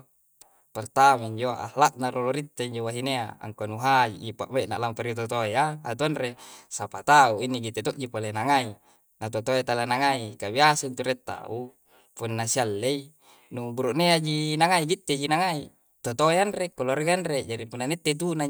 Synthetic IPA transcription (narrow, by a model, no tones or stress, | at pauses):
part̪amaiɲd͡ʒoaʔa̰hlaʔ̪̚naɾoloɾit̪ːeiɲd͡ʒowaɦinea̰a̰ŋkonuɦad͡ʒḭʔipa̰ʔmeʔna̰ʔlampaɾiot̪ot̪ojaːt̪uanresapat̪auinːiɡit̪ːet̪oʔd͡ʒipolenaŋai | nat̪ot̪ojat̪alanaŋaikabiasaint̪uɾet̪ːa̰u | punːasialːei | nubuɾuʔnead͡ʒinaŋaiɡit̪ːed͡ʒinaŋai | t̪ot̪oeanrekoloɾɡanred͡ʒaɾipunːanet̪ːet̪̬una